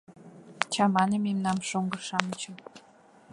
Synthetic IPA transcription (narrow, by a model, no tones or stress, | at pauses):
t͡ɕɑmɑnəmemnɑmʃoŋɡɤ̆rʃɑmə̆t͡ɕŏ